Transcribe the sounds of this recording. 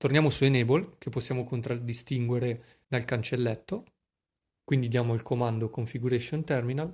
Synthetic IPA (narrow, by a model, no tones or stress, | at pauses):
t̪ornjaːmosuenebolk̟epːosːjaːmokont̪ɾad̪ist̪iŋɡweɾe | d̪alkant͡ʃelːɛt̪ːo | kwind̪id̪jaːmoilkʰomand̪okoɱfiɡuɾeʃont̪ɛrminal